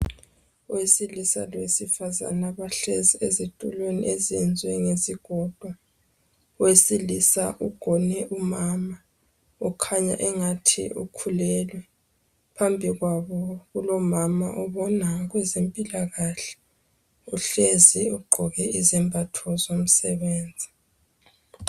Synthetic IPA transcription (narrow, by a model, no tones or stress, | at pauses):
uwesilisa̰lwesifaza̰naβaɬeziezitʼṵlwenḭʔezɛnd͡zʱwɛŋeziɡ̥ʱɔd̥ʱwa | uwesilisa̰ʔuɡ̥ʱɔnɛʔumaːma | ɔkʰaɲa̰ʔɛŋatʰḭʔṵkʰulɛlwɛ | pʰambʱiɣwaβɔɣulɔmama̰ʔɔβɔnaɣwɛzempʼilaɣaɬɛ̥ | uɬeziuɡ͡ǃʱɔɣɛizimbʱatʰɔzom̩sɛβeːnd͡zʱi